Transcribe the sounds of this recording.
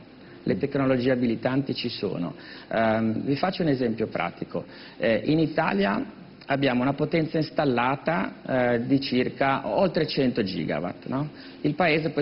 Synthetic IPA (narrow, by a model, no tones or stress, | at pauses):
lʔet̪ekːnolod͡ʒiːeabilit̪ant̪it͡ʃiso̰ːno̰ | vifat͡ʃːounezɛmpjopɾʔa̰ːt̪iko | ɛʔinit̪a̰ːlja | abːjaːmounapot̪ɛnt̪sainst̪alːaːt̪ad̪it͡ʃirkaolt̪ɾet͡ʃɛnt̪od͡ʒḭːɡa̰va̰t̪nɔ | ilpaeːzep